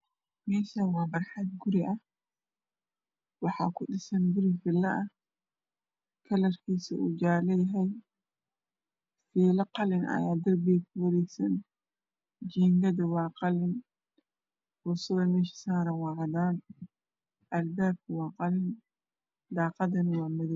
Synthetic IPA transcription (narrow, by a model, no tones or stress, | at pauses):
mɛːʃawɑːbɐrħɑd̪̚ɡʊɾɪʔɐh | wɑħɑ̰ːkʰʊɗɪsɐnɡʊɾɪfɪlːɐʔɐ | kʰɐlɐrkʰiːsɐʔud͡ʒaːlɛjɦɛj | fiːlɐqɑlɪnʔɐ̰jaːd̪ɐrbikʰʊwɐɾɛjsɐn | d͡ʒiːŋɡɐd̪ɐwɑːqɑlɪn | wʊsɐðɐmɛːʃi̥saːɾɐnwɑːʕɑd̪aːn | ʔɐlbaːb̚kʰɐwɑːqɑlɪn | d̪ɑːqɑdɐnɐwɑːmɐðɐ